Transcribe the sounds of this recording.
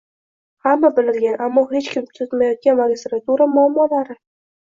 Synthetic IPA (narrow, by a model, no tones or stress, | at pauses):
hamːabɪlɪɾɡʲanʔamːɒhe̞t͡ʃkʲʰɪmt̪ʰʊt̪majɒt̪̚kʲanmaɡʲist̪ɾat̪uɾamʊamːɒlaɾɪ